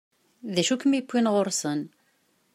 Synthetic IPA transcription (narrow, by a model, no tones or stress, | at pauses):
ðæʃukːmikʷːinʁoɾsən